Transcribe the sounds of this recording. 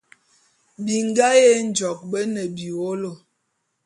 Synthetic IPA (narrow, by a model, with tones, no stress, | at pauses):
bi˨ŋ˦ɡa˦je˦n̩˦d͡ʒɔ˨k̚bə˦nə˨bi˨o˦lo˨